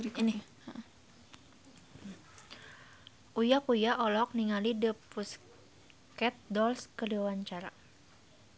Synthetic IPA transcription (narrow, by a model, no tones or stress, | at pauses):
ini | ʔujakujaʔɔlɔk̚niŋalidəpus | kɛt̪̚dɔlskəliwaɲt͡ʃaɾa̰